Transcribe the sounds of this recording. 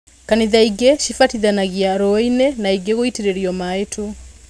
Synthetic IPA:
kaniðaiɡɛʃifatiðanaɣiaɾɔinɛnaiɡeɣoiteɾeɾiɔmaetʰu

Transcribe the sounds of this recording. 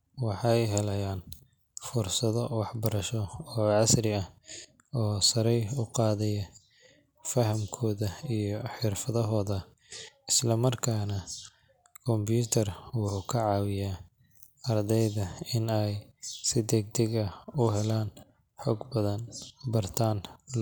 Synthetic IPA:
wɑħɑjɦɛlɐjaːn | fʊrsɐðɔwɑħbɐɾɐʃɔɔːʕɑsrɪɐh | ɔːsɐɾɛjʊqɑːðɛjɐ | fɐɦɐmkʰɔːðɐijɔħɪrfɐðɐɦɔːðɐ | ɪslɐmɐrkʰaːnɐ | kʰɔmbjuːt̪ʰɐrwʊħʊkʰɐʕɑːwɪjaː | ɐrd̪ɛjðɐɪnɛjsɪd̪ɛɡ̚d̪ɛɡɐʊɦɛlaːn | ħɔːɡbɐðɐnbɐrt̪ʰaːn

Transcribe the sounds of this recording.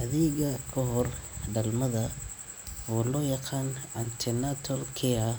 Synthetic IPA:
ʔɐðɛːɣɐkʰɔɦɔrɖɐlmɐðɐ | wɔːlɔːjɑqɑːnʕant̪ʰɛnat̪ʰɔlkʰɛɐ

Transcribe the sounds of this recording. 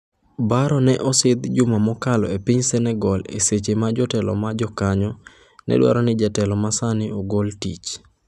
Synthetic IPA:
baɾɔnɛʔɔsɪd̪d͡ʒʊmamɔkalɔ̰epiɲsɛnɛɡɔlḛset͡ʃemad͡ʒɔtɛlɔ̰mad͡ʒɔkaɲɔ | nʔɛ̰ɗwa̰ɾɔnɪd͡ʒatɛlɔmasanɪoɡoltḭt͡ʃ

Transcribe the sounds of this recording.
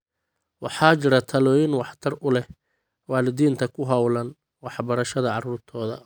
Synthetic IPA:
wɑħɑːt͡ʃɪɾɐt̪ʰɐlɔːjɪnwɑħt̪ʰɐrʊlɛh | waːlɪðiːnt̪ʰɐkʰʊɦɐwlɐn | wɑħbɐɾɐʃɐðɐʕɑruːrt̪ʰɔːðɐ̰

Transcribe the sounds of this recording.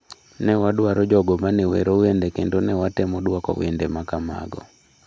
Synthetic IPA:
nɛwaɗwaɾɔd͡ʒɔɡɔmanewḛɾowendɛkendonɛwatɛmɔdwakɔ̰w̰endemakama̰ɡɔ̰

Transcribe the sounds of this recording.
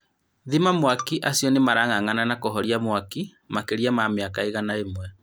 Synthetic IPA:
ðimamwakiʔasiɔnemaɾaŋaŋananakoɦɔɾiamwaki | makeɾiamameakaeɣanaemwɛ

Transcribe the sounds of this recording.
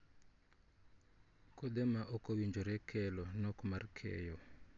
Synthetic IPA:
kɔd̪ɛmaʔɔkɔwiɲd͡ʒoɾɛkʰɛlɔnɔkmarkʰɛ̰jɔ

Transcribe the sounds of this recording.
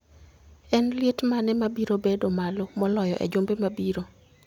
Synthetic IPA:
ɛnlɪetmanɛmabiɾobedomalomɔlɔjɔʔḛd͡ʒombemabiɾo

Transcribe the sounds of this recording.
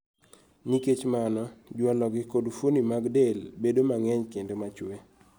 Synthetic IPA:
niket͡ʃmanɔd͡ʒwalɔɡɪkodfonimaɡdelbedomaŋɛɲkendomat͡ʃwe

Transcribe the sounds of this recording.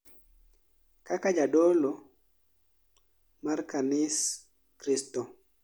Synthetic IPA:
kakad͡ʒadolo | markanɪs | kɾɪsto

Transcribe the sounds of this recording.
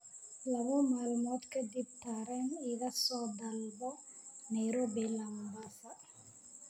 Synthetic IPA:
lɐβɔmaːlmɔt̪kɐd̪ib̚t̪aɾɛnɪɣɐsɔːd̪ɐlbɔnajɾobɛlɐmbasa

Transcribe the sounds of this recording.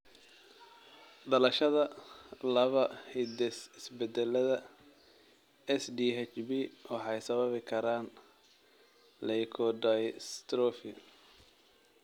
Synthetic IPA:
ɖɐlɐʃɐðɐlɐβɐhɛd̪ɛsɪsbɛd̪ɛlɐðɐ | ɛsd̪iɦɛt͡ʃbiːwɑħɑjsɐβɐβɪkʰɐɾaːn | lɛjkʰɔd̪ajst̪ɾɔfɪ

